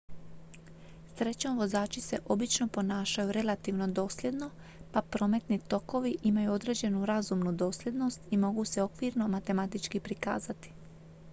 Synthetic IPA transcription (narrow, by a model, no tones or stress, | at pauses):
sɾe̞t͡ɕoʋo̞zaːt͡ʃise̞ʔo̞bit͡ʃno̞po̞naːʃajuɾe̞lat̪iʋno̞d̪o̞ːslje̞d̪no̞ | papɾo̞ːme̞t̪nit̪o̞ko̞ʋiʔimajuo̞d̪ɾe̞ːd͡ʑe̞nuɾazumnud̪o̞ːslʲje̞d̪no̞st̪imo̞ɡuse̞o̞kʋiːɾno̞mat̪e̞mat̪it͡ʃkipɾika̰ːzat̪i̥